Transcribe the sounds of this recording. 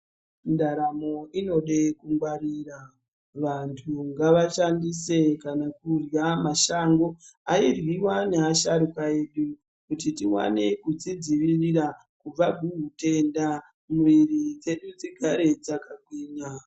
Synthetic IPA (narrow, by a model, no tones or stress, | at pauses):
ndaɾamo̞ino̞ɗekuŋɡwaɾiːra | ʋantʰuŋɡaʋaʃandise̞kanakurjamaʃaŋɡo̞airwiwaneaʃaɾukae̞ːɗu | kutitiwa̰ne̞kud͡zid͡ziʋiriɾa | kub͡vaɡʱiɦute̞nda | muʋirid͡ze̞ɗud͡ziɡʱaɾe̞d͡zakaɡ̚wiːɲa